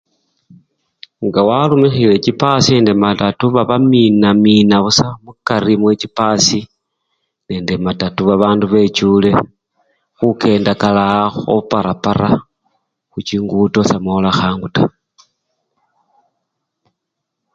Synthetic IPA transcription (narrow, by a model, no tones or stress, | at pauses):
ŋɡawalumixile̞t͡ʃipasine̞ːnde̞matatuβaβaminaminaβusamukaɾimwe̞t͡ʃipasi | ne̞ːnde̞matatuβaβaːnduβe̞t͡ʃule̞ | xuke̞ːndakalaxo̰paɾapaɾa | xut͡ʃiːŋɡuto̞samolaxaːŋɡuta